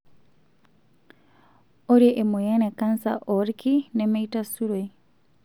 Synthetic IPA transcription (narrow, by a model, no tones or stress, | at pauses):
oɾjeʔemojanekansa̰ʔoɾikinemeitasuɾwe